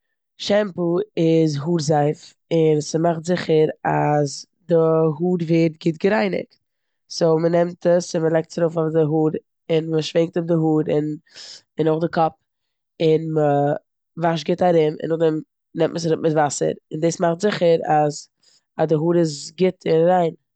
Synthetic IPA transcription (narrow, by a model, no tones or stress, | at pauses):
ʃɛmpuɪzɦuːɾzaɪf | ɪnsəmaχtzɪχəɾaz | dɪɦuːɾveːɾt̚ɡɪtɡəɾaɪnɪ̰kt | soːmənɛmtəsɪnməlˠɛk̚tsaɾofɔfdɪɦuːɾ | ɪnməʃvɪŋk̚tʊb̚dɪɦuːɾɪn | ɪnʊχdɪkʰɔp̚ | ɪnmə | vaʃɡɪtaɾɪmɪ̰nʊχdɛm | nɛmtməsɾʊpmɪtvasə̰ɾɪndeːsmaχtzɪχəɾaz | adɪɦuːɾɪzɡɪtʰɪnɾaɪn